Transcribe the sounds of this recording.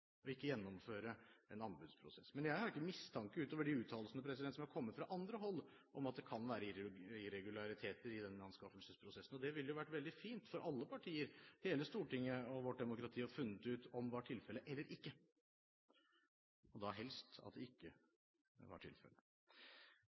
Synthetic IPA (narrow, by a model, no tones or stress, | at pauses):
ɔɪkːəjɛnːɔmføːɾəɛnɑmbʉd̪spʰɾʊ̰sɛsːmɛnjæɪhɑɾɪkːəmɪst̪ʰɑŋkəʉːt̪oːʋəɖɪʉːt̪ʰɑːllsnəpʰɾɛs̬ɪɛnt̪sɔmhæɑɾkʰɔmːət̪fɾɑʔɑnd̪ɾəɦɔlː | ʔɔmɑt̪̚d̪ɛkʰɑnʋæːɾəɪɾɪɾɛɡʉlɑɾɪt̪ʰeːt̪əɾɪd̪ɛnːɑnskɑfəlsəspʰɾʊsɛsn̩ɔd̪ɛʋɪlːəjʊʋæʈːʋɛld̪ɪfiːnt̪fɔɾʔɑlːəpʰɑʈʰiːəɾheːləst̪uːʈɪŋːəɔʋɔʈ̚ɖ̪ɛmʊkɾɑt̪ʰiːɔɾfʉnːət̪ʉːt̪ɔmʋɑʈʰɪlfɛlːəʔɛlːəɾʔɪkːə | ɔd̪ɑɦɛlst̪ɑ̰d̪ɛɪkːə | ʋɑ̰ʈʰɪ̰lfɛ̰lə